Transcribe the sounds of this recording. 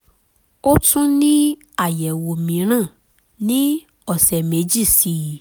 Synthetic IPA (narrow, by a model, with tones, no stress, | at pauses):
o˦tũ˦nĩ˦ | a˦˨jɛ˨wo˨mĩ˨˦ɾ̃ã˦˨ | nĩ˦ | ɔ˦˨sɛ˨mẽ˨˦d͡ʒi˦˨si˨˦